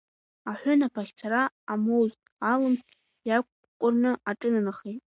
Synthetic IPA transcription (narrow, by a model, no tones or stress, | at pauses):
aħʷʊnapʰaχʲt͡sʰaɾaːmowztʼalɨm | jakʷʰʼ | kʷʼʊrnɨʔaʈ͡ʂʼɨnanaχejtʼ